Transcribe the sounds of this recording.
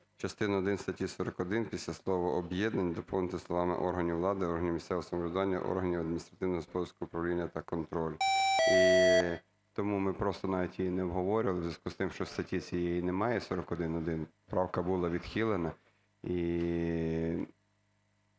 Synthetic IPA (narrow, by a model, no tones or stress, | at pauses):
t͡ʃɐst̪ɪnɐɔd̪ɪnst̪ɐtʲisɔɾɔkɔd̪ɪnpʲisʲlʲaslˠɔʋɔʔɔbjɛd̪nɐnʲd̪ɔpɔwnɪt̪ɪslˠɔʋɑmɪ̰ʔɔrɦɐnʲiwlˠɑd̪ɪɔrɦɐnʲimissɛʋoɔsɐmɔlʲɪd̪ʊʋɑnʲːɐ̰ʔɔ̰rɦɐnʲiwɐd̪mʲinʲist̪ɾɐt̪ɪwnɔɦɔspɔd̪ɐskʊʊpɾɐwlʲinʲːɐt̪ɐkɔnt̪ɾɔlʲi | t̪ɔmumɪpɾɔst̪ɔnɑʋʲitʲjijinɛɔbɦɔʋɔɾʲɪʋɐlˠɪzʲjʲɐskust̪ɪmʃt͡ʃɔwst̪ɐtʲit͡sʲijɛjinɛmɑjɛsɔɾɔkɔd̪ɪnɔd̪ɪnpɾɑwkɐbulˠɑʋʲid̪xʲilˠenɐ | i